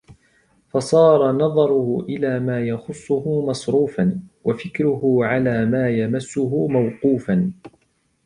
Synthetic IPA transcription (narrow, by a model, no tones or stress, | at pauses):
fɑsˤɑːɾˤɑnɑðˤɑɾˤʊhʊʔɪlaːmaːjɑxʊsˤːʊhʊmɑsˤɾuːfanwafɪkɾʊhʊʕalaːmaːjamasːʊɦʊmawquːfan